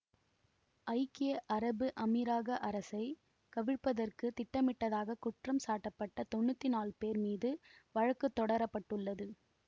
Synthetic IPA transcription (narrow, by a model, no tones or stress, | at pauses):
ɐɪkɪjɐʔɐɾɐbɯʔɐmɪɾaːɣɐʔɐɾɐsɐɪ | kɐʋɪɻpːɐðɐrkɯt̪ɪʈːɐmɪʈːɐðaːɣɐkʊʈrɐmsaːʈːɐpːɐʈːɐt̪ɔɳːɯt̪ːɪnaːlpeːɾmiːðɯʋɐɻɐkːɯt̪ːɔɽɐɾɐpːɐʈːɯɭːɐðɯ